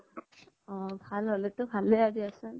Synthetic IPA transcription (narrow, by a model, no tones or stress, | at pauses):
ɔ̃bʱalɔletʊbʱaleadiasɯ